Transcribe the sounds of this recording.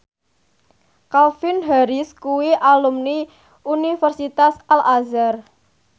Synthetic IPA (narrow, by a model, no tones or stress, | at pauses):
kalfinɦaɾiskuwiʔalumni | unifərsit̪asalazar